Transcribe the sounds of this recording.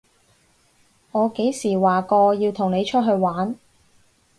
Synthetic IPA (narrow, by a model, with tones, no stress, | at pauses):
ŋɔː˨˧ke˨˥jsiː˨˩waː˨˩kɔː˧jiː˧wt̪ʰʊ˨˩ŋne˨˧jt͡ʃʰɵ˥t̚ɦɵ˧ɥwaː˨˥n